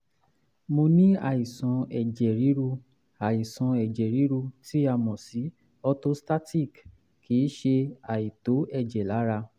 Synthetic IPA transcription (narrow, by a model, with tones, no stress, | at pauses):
mo˧nĩ˦a̰˨i˨sɔ̃˨˧ɛ˨d͡ʒɛ˨ɾi˨˦ɾu˧ | a˨i˨sɔ̃˧ɛ˨d͡ʒɛ˨ɾi˨˦ɾu˧ti˦a˧˨mɔ̃˨si˨˦ | ɔ˧to˦sta˦ti˦˨k | ki˨˦ʃe˧a˨i˨to˨˦ɛ˦˨d͡ʒɛ˨la˨˦ɾa˧